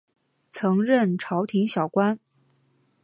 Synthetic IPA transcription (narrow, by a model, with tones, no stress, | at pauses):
t͡sʰɤ˧˥ŋɻə˥˩nʈ͡ʂʰɑ˧˥ʊt̪ʰi˧˥ŋɕjɑ˨˩ʊkwa˥n